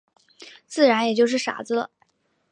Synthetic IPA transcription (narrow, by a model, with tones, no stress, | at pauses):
t͡sɹ̩˥˩ɻa˧˥njɛ˨˩t͡ɕjo˥˧ʊʂɻ̩˥˩ʂa̰˨˩d͡zɹ̩˧lə̰˨